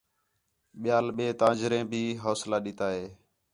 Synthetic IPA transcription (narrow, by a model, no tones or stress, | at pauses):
ɓɪjaːlɓeːt̪ãːd͡ʒɾẽːbʱiːɦoːslaːɗiːt̪aːɦeː